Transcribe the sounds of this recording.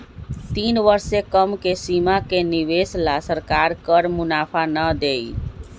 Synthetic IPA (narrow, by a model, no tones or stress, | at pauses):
t̪inʋəɾsekəmkesimakeniʋeslasəɾkaɾkəɾmʊnapʰanəd̪ej